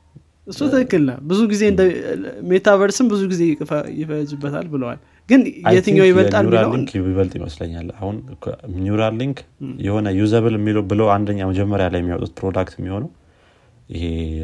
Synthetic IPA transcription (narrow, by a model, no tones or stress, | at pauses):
ʔɨsːuɨkɨkːɨlnəbɨzuɡize̞ɨnd̪əmet̪ʰaβəɾsɨmbɨzuɡize̞jɪkʼɨfəjɪfəzubːət̪ʰa̰lbɨləwa̰l | ɡɨnjɛt̪ɨɲɲːawjɪβəlt̪ʼalmiləwiŋiβəlt̪ʼjɪ̰mə̰sləɲːa̰lːahunʰmuɾalːiŋkjɛho̞nəjuzəβɨlɛmːiləwbɨləwand̪əɲːaməd͡ʒɛmːəɾjalajɛmːiawɔ̰ut̪̚pɾod̪akt̪jɛmːiho̞nəw | ɪ̰he